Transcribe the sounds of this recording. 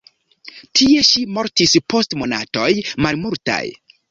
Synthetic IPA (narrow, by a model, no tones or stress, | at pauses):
tʰie̞ʃimo̞ɾtispʰo̞stmo̞nato̞jmalmulta̰j